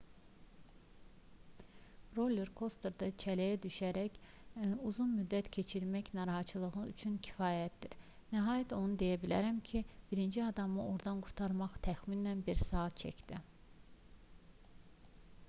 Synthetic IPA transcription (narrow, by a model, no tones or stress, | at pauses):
ɾoleɾkʰo̞st̪eɾd̪ɑt͡ʃʰælæjæd̪yʃæɾæç | æuzunmyd̪ːæt̪cʰe̞t͡ʃʰiɾmæçnɑɾɑɦɑt͡ʃʰɯlˠɯɣɯy̰t͡ʃʰyncʰi̥fɑːjæt̪̚d̪iɾ | næɦɑːjæt̪ʰo̞nud̪e̞jæbilæ̰ɾæmcʰib̥iɾind͡ʒiɑd̪ɑmɯoɾd̪ɑnɡuɾt̪ʰɑɾmɑχt̪ʰæxminænbiɾsɑːɑt̪̚t͡ʃʰæ̰cd̪̥i